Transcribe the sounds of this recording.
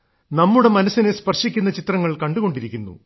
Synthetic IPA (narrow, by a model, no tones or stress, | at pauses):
nɐmːuɽe̞mɐnɐsinespɐrʂikʲːunːɐt͡ɕit̪rɐŋːɐɭkɐɳɖuɣo̞ɳɖiɾikʲːunːṵ